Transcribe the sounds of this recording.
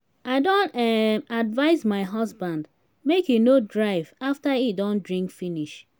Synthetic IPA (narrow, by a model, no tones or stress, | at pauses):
aɪdõntɛmadvaɪzmaɪɦɔsbãnd | mekinodɹaɪvaftaidɔ̃ndɹĩŋkfiniʃ